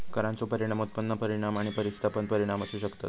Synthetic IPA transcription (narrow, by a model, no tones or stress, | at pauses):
kəɾãnt͡sopəɾiɽ̃amut̪̚pənːəpəɾiɽ̃amaɽ̃ipəɾist̪ʰapənpəɾiɽ̃aməseɕəkt̪at̪